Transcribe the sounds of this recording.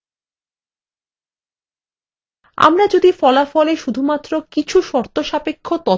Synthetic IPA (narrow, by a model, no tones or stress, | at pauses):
a̰mɾad͡ʑod̪ifɔlafɔleʃud̪ʱumat̪ːɾokit͡ɕʰuʃɔɾt̪oʃapekʰːot̪ɔ